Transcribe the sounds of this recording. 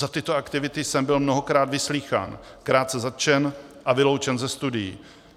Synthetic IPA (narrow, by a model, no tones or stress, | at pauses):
zat̪ɪt̪oakt̪ɪvɪt̪ɪjsɛmbɪlmnoɦokɾaːd̪vɪsliːxa̰ːn | kɾaːt̪t͡sɛzat̪̚t͡ʃɛnʔavɪlowt͡ʃɛnzɛst̪udɪjḭː